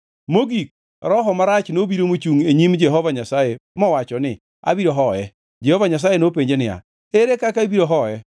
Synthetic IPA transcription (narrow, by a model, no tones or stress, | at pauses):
moɡik̚ | ɾɔɦɔmaɾat͡ʃnobiɾomot͡ʃuŋeɲimd͡ʒɛɦɔvaɲasajemɔwat͡ʃɔnɪ | a̰biɾoɦɔjɛ | d͡ʒɛhovaɲas̬ajenopeɲd͡ʒenɪa̰ | eɾekakaibiɾoɦɔjɛ